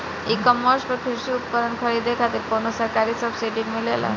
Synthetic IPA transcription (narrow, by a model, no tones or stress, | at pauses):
ikəməɾspəɾkʰeɕiut̪̚pəɾənkʰəɭid̪ekʰat̪iːlponəsəɾkaɾiːsəbsiɖimilela̰